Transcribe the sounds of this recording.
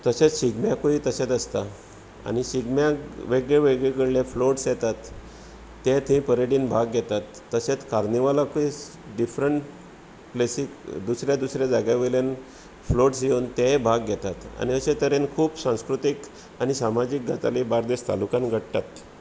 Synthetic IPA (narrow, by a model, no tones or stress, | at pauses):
t̪əset͡sɕiɡmjakoit̪əset̪əst̪a | a̰ñiɕiɡmjaʋeɡɭeʋeɡɭekəɽlefloʈsjɛt̪at̪ː | et̪ɦĩpəɾeɽiːnbʱaɡɡʱɛt̪at̪ːəset͡skaɾniʋalakoi | ɖifɾəɳʈ | plesikd̪usɾjad̪usɾjad͡zaɡjaʋelen | floʈsjewnt̪ebʱaɡɡʱɛt̪at̪a̰niəɕet̪əɾenkʰuːpsãw̃skɾut̪ik | añisamad͡ʑiːk̚ɡʱat̪a̰libaɾd̪est̪a̰lukãnɡʱəɽt̪at̪